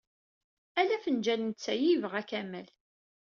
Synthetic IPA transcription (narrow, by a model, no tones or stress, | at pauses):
ælæfənd͡ʒælənt͡sːæjivəʁækæmæl